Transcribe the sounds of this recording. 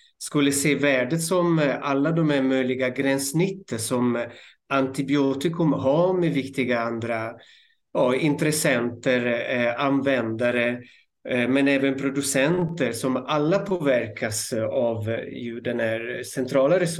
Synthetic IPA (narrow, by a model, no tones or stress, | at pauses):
skɵlːəseːvæːɖət̪sɔmalːad̪ɔmæɾmœjlɪɡaɡɾɛnsnɪt̪ːəsɔm | ant̪ɪbɪoːt̪ɪkɵmɦamɛvɪkt̪ɪɡaand̪ɾa | jɑːɪnt̪ɾɛsɛnt̪əɾanvɛnd̪aɾə | mɛnɛːvənpʰɾʊd̪ɵsɛnt̪əɾsɔmalːapʰoːvæɾkʰasavjʉ̟d̪ɛnæːɾsɛnt̪ʰɾɑːlaɾɛs